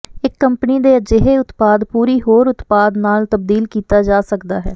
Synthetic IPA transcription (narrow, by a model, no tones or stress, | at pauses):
ɪkːəmpəniːd̪eːəd͡ʒeɦeːʊt̪paːd̪puːɾiːɦoːɾʊt̪paːd̪naːlt̪əb̚d̪iːlkiːt̪aːd͡ʒaːsəkd̪aːɦɛː